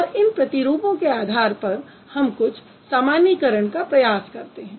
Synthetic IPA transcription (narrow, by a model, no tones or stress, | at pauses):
ɔɾɪnpɾɐt̪iɾuːpõkeaːd̪ʱaːɾpɐɾ | hɐmkʊt͡ʃʰ | saːmaːnikɐɾəɳ̃kapɾɐjaːskɐɾt̪eɦɛ̃ː